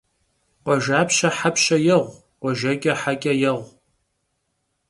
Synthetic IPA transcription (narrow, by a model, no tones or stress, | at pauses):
qʷɔʒaːpʰʃɐħapʰʃɐjɐʁʷ | qʷɔʒɐɡʲʼɐħaɡʲʼɐjɐʁʷ